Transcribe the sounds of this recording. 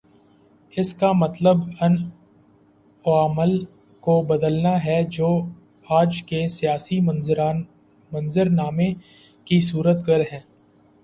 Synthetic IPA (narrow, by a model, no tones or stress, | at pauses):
ɪskamɐt̪ləbɐn | oaːməl | kobɐd̪əlnaɦɛd͡ʒoː | aːd͡ʒkesijaːsi | mɐ̃nzɪɾnaːmẽ | kisuːɾət̪ɡəɾɦɛ̃ː